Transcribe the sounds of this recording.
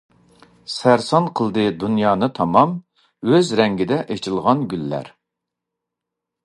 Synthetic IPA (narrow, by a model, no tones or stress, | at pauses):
sæɾsɑnqʰəlˠd̪ɨd̪unjɑːnɨt̪ʰɑmɑm | øzɾɛŋɡʲɪd̪ɛʔet͡ʃʰɪlˠʁɑnɡʲylːæ̰ɾ